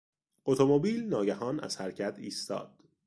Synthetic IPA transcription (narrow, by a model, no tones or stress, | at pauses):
ʔot̪ʰomobiːlnɒːɟæɦɒːnæ̰z̥hæɾcʰæt̪ʰiːst̪ɒ̰ːd̪̥